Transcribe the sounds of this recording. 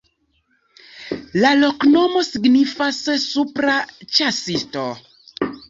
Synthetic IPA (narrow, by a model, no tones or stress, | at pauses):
lalo̞kno̞mo̞siɡnifasːupɾat͡ʃasisto